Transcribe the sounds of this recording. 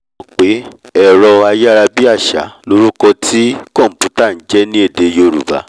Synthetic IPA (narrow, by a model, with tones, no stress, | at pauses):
ɔ̃˨k͡pe˨˦ɛ˦˨ɾɔ˧a˧jɛ˦˧ɾa˧bi˦a˦˨ʃa̰˨˦lo˦ɾu˦kɔ˧tʰi˦kɔ̃˦˨m̩˨pu˨˦ta˦˨n̩˨˦d͡ʒɛ˦nĩ˦e˦˨de˧jo˨˧˨ɾṵ˨ba̰˨˦